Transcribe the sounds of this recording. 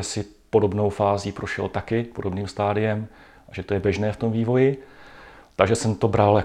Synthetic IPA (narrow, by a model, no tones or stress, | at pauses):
sɪ | po̞do̞bno̞wfaːziːpɾoʃɛlt̪akɪpo̞do̞bniːmst̪aːdɪjɛm | ʔaʒɛt̪o̞jɛbjɛʒnɛːft̪o̞mviːvo̞jɪ | t̪aɡʒɛsɛmt̪obɾal